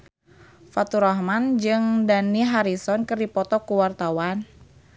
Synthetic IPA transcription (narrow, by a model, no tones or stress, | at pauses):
fat̪uɾɔhmand͡ʒɨŋdaniɦaɾisɔnkɨrdipɔt̪ɔkuwart̪awan